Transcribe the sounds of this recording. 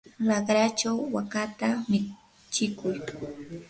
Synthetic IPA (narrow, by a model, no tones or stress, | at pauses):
lɑɢɾat͡ʃawːakat̪amɪ | t͡ʃɪkʊj